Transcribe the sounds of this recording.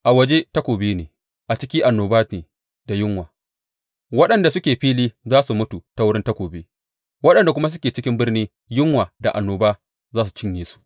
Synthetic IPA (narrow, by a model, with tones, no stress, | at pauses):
ʔa˨wɐ˦d͡ʒe˦tɐ˦kʷoː˨beː˦neː˨ | ʔa˨t͡ʃɪ˦kʲɪ˦ʔa˨nːoː˨baː˦eː˨ | d̥a˨jɪ˦ŋwaː˨ | wɐ˦ɗɐ˨nda˨sʊ˦kʲeː˨ɸiː˦liː˦zaː˦su˨mʊ˦tu˨ta˦wʊ˦ɽɪ˦ntɐ˦kʷoː˨beː˦ | wɐ˦ɗɐ˨nda˨kʷʊ˦ma˦s̬ʊ˦kʲeː˨t͡ʃɪ˦kʲɪ˦mbɪ˦rniː˦ | jɪ˦ŋwaː˨da˨ʔa˨nːoː˨baː˦ | zaː˦su̥˨t͡ʃɪ˦ɲjeː˨su̥˦ʔ